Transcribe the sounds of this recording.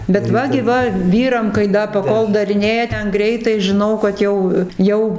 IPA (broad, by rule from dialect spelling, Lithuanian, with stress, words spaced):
bʲɛt ˈʋɐ ɡʲɪ ˈʋɐ ˈʋʲiːrɐm kɐɪ ˈdɐ pɐˈkoːlˠ dɐrʲɪˈnʲeːjɛ ˈtʲɛn ˈɡrʲɛɪtɐɪ ʒʲɪˈnɐʊ kɐt ˈjɛʊ ˈjɛʊ